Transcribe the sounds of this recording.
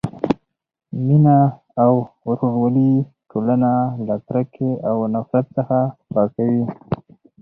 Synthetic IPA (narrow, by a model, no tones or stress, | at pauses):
minaː | wɾoɽwali | ʈʰolanalakɾakʰeʔawnafɾat̪̚səxapɑkawi